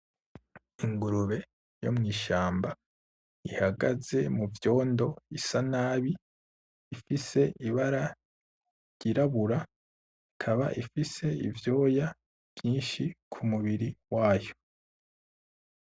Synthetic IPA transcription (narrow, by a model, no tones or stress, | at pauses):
iŋɡuɾuβe̞ | jo̞̰mŋiːʃaːmba | ihaɡaze̞muvjo̞ːndo̞isanaːβiː | fise̞ʔiβaɾa | ɾɟiɾaβuɾa | ikʰaβa̰ʔifise̞ḭvjo̞ːja | vjiːnʃikʰumuβiɾiwaːjo̥